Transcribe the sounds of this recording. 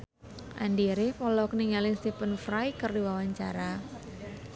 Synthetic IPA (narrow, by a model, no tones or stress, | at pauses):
ʔa̰ndiɾɪhpɔlɔkniŋalɪnst̪ipənfɾajkərdiwawaɲt͡ʃa̰ɾa